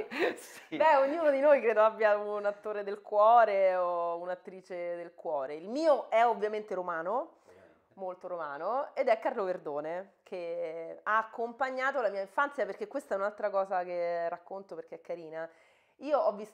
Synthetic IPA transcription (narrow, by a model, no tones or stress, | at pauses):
bɛoɲːuːnod̪inojkɾeːd̪oabːjaunat̪ːoːɾed̪elkwɔːɾeounat̪ːɾiːt͡ʃed̪elkwɔːɾeilmiːoʔɛovːjament̪eɾomaːno | molt̪oɾomaːnoed̪ɛkːarloverd̪oːnekʰeaːkːompaɲːaːt̪olamiːaiɱfant̪sjaperk̟ekːwest̪aɛunalt̪ɾakɔːzakerːakːont̪operk̟eɛkːaɾiːna | iːoɔvːis